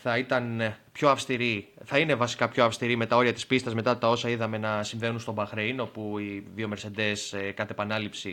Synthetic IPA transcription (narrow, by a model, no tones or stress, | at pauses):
θɐit̪ɐnpço̞ɐfst̪iɾiθɐine̞vɐsi̥kɐpço̞ɐfst̪iɾime̞t̪ɐo̞ɾiɐt̪i̥spist̪ɐzme̞t̪ɐt̪ɐo̞sɐiðɐme̞nɐsiɱve̞nunst̪o̞bɐxɾeino̞puiðio̞meɾse̞nd̪e̞skɐt̪epɐnɐlipsi